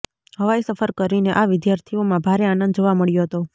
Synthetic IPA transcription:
ɦəʋaesəfʰəɾkəɾineʔaʋɪd̪jaɾt̪ʰiomãbʱaɾeanənd̪d͡ʒoʋaməɭjoɦət̪o

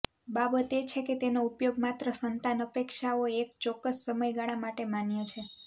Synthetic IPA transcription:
babət̪et͡ʃʰeket̪enoupjoɡ̚mat̪ɾəsənt̪anəpekʃaoek̚t͡ʃɔkːəsːəməjɡaɽ̃amaʈemanjet͡ʃʰe

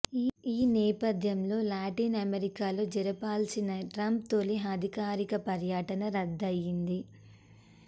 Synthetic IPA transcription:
iːnɛːpɐd̪ʱjɐmlo̞ːlaːʈiːnɐmeɾikaːlo̞ːd͡ʒɛɾɐpaːlsinɐʈɾɐmpt̪o̞ːliɦɐd̪ʱikaːɾikɐpɐɾjaʈɐnɐɾɐd̪ːɐjːind̪i

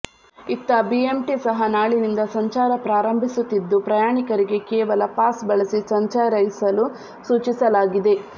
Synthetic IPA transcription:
it̪ːɐbiemʈisɐɦɐnaːɭinind̪ɐsɐɲt͡ʃaːɾɐpɾaːɾɐmbʱisut̪ːid̪ːupɾɐjaːɳikɐɾiɡe̞kɛːʋɐlɐpaːsbɐɭɐsisɐɲt͡ʃaːɐɾɐjisɐlu | suːt͡ʃisɐlaːɡid̪e̞

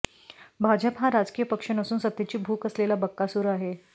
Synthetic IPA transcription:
bʱad͡ʑəpɦãɾad͡ʒkijəpəkʂənəsuːnsət̪ːet͡ɕiːbʱuːkəslelabəkːasuɾaɦe

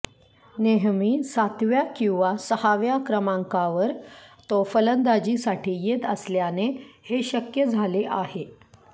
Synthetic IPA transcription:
neɦmiːsat̪ʋjakĩw̃ʋasəhaʋjakɾəmãŋkaʋəɾt̪ofələnd̪ad͡ʑiːsaʈʰiːjet̪əsljaneheɕəkjəd͡zʱaleʔahe

